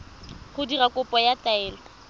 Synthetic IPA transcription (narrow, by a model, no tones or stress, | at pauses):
χʊdirakʼʊpʼɔjataɛːla